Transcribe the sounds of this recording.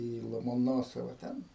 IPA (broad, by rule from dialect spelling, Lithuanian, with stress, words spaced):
iː lˠoːmoːˈnoːsoːʋɐ ˈtʲɛn